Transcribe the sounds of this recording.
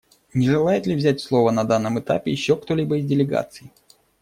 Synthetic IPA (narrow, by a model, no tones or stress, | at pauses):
nʲɪʐɨlˠajɪt̪lʲɪvzʲæt̚ʲslˠo̞vənɐd̪anːəmɨt̪a̰pʲɪjɪɕːokt̪olʲibəɪzʲdʲɪlʲɪɡa̰t̪sɨj